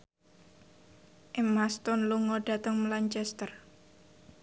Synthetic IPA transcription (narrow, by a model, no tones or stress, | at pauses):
ʔemast̪ɔnluŋɔɖ̥a̤t̪əŋmlaɲt͡ʃɛst̪ər